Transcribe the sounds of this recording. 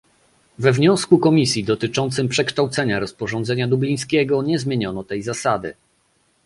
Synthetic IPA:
vɛvɲɔ̃skukɔmʲisʲjid̪ɔt̪ɘt͡ʂɔnt̪sɘmpʂɛkʂt̪awt̪sɛɲaɾɔspɔʐɔnd̪zɛɲad̪ublʲij̃skʲɛɡɔɲɛzmʲjeɲɔnɔt̪ɛjzasad̪ɘ̰

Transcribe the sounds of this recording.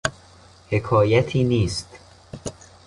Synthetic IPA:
he̞kʰɒːjæt̪ʰiːniːst̪

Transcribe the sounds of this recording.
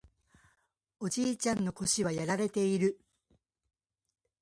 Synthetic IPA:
o̞d͡ʑiːt͡ɕãnːo̞ko̞ɕiβajaɾaɾe̞t̪e̞iɾɯ̟

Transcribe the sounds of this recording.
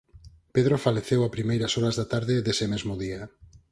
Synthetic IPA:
peðɾofaleθewapɾimejɾasɔɾazðat̪aɾðɪðesɪmezmʊðia

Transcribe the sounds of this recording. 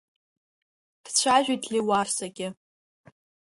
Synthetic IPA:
d̥t͡ɕʷʰaʒᶣitʰliwarsaɡʲɪ

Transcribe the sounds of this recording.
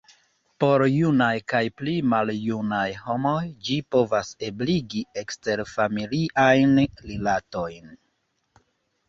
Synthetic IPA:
po̞ɾjunajkajplimaljunajho̞mo̞jd͡ʒipo̞vasebliɡie̞kste̞ɾfamiliʔajnlilato̞jn

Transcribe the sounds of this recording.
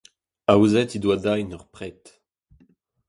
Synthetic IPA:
awzɛt̪idwadajnœʁpχɛt̪

